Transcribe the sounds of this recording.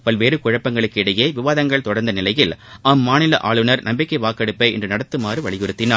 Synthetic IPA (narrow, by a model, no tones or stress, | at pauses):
pɐlʋeːɾɯkʊɻɐpːɐŋɡɐɭɯkːɪɽɐjeːʋɪʋaːðɐŋɡɐɭt̪ɔɽɐɾnd̪ɐnɪlɐjɪlʔaːmːaːnɪlɐ̰ʔa̰ːɭɯnɐɾnɐmbɪkːɐɪʋaːkːɐɽɯpːɐɪɪ̰ndrɯnɐɽɐt̪ːɯmaːrɯʋɐɭɪɣɯɾɯt̪ːɪnaː